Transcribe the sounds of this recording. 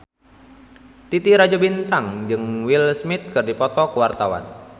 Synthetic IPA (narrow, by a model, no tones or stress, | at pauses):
t̪it̪iɾad͡ʒɔbint̪aŋd͡ʒɨŋwilsmit̪̚kɨrdipɔt̪ɔkəwart̪awa̰n